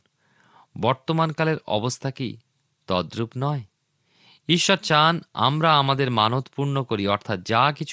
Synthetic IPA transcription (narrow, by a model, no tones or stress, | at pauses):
bɔɾt̪omankaleɾɔ̰bost̪ʰakḭ | t̪ɔd̪ɾupnɔe | iʃːɔɾt͡ɕana̰mɾaamad̪eɾmanot̪puɾnokoɾiɔɾt̪ʰat̪̚d͡ʑakit͡ɕʰ